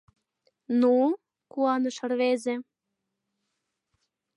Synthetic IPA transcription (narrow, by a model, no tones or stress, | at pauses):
nu | kuɑnɤ̆ʃɤ̆rβezĕ